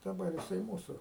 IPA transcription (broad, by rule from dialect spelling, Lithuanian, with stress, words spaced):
dɐˈbɐr jɪˈsɐɪ ˈmuːsʊ